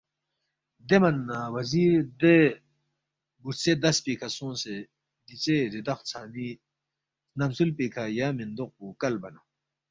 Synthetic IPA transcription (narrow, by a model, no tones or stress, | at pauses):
d̪emɐnːawɐziːɾd̪e | buɾt͡sed̪ɐspikʰasõːse | d̪it͡seɾid̪ɐχt͡sʰaːni | nɐmsulpikʰajaːmind̪oq̚pukɐlbɐna